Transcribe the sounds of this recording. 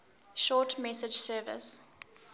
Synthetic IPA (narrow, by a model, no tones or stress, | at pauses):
ʃɔːtmɛsɪd͡ʒsɜːvə̰s